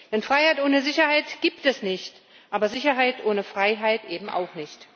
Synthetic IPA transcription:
d̥ɛnfʁ̥aɪhaɪtʔoːnəzɪçɐhaɪtɡ̥iːptɛsnɪçt | ʔaːbɐzɪçɐɦaɪtʔoːnəfʁ̥aɪɦaɪtʔeːbm̩ʔa̰ʊxnɪçt

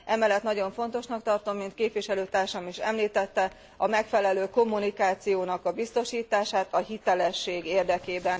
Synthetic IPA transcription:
ʔɛmɛlːɛt̪nɒɟo̞ɱfo̞n̪t̪o̞ʃnɒkt̪ɒrt̪o̞mːint̪keːpʋiʃɛløːt̪aːrʃɒmiʃɛ̰mliːt̪ɛt̪ːɛ | ɒmɛkfɛlɛløːko̞mːunikaːt̪sijoːnɒkɒbist̪o̞ʃiːt̪aːʃaːt̪ɒɦit̪ɛlɛʃːeːɡeːrd̪ɛkeːbɛn

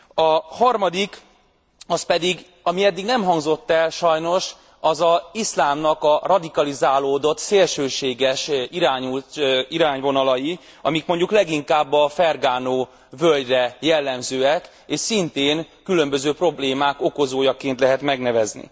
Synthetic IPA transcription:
ɒhɒrmɒd̪ik | ɒspɛd̪iɡ | ɒmiɛd̪ːiɡnɛmɦɒŋɡzo̞t̪ːɛlʃɒjno̞ʃ | ɒzɒislaːmnɒkɒrɒd̪ikɒlizaːloːd̪o̞t̪seːlʃøːʃeːɡɛʃiɾaːɲuliɾaːɲvo̞nɒlɒji | ɒ̰mikmo̞ɲɟuklɛɡiŋkaːbːɒfɛrɡaːnoː | vølɟrɛjɛlːɛmzøːɛk | eːʃsint̪eːn | kylø̞mbø̞zøːpro̞bleːmaːko̞ko̞zoːjɒkeːnt̪lɛɦɛt̪mɛɡnɛvɛznḭ

